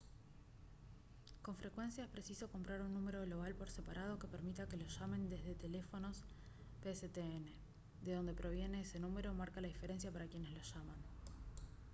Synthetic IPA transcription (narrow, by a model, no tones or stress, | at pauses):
ko̞ɱfɾe̞kwe̞nsjaespɾe̞siso̞ko̞mpɾaɾunːũme̞ɾo̞ðloɣalpo̞ɾse̞paɾʔað̞o̞ke̞peɾmit̪ake̞loʃame̞nd̪e̞zðe̞t̪e̞le̞fo̞no̞s | peset̪eene̞ | d̪e̞ðo̞nd̪e̞pɾo̞βje̞ne̞ese̞nume̞ɾo̞ːmaɾkalaðife̞ɾe̞ns̬japaɾakje̞ne̞zloʃaman